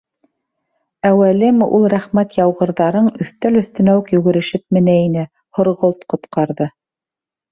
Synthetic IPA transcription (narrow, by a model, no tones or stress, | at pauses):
æwælɘmʔulˠɾæχmæt̪jɑwʁɤ̆ɾðɑɾɤɴɵ̆θt̪ælɵ̆θt̪ɘ̆næwɘkjʉɡɘ̆ɾɘ̆ʃɘp̚mɘ̆næinɘ | hŏɾʁolˠt̪qŏt̪qɑɾðɤ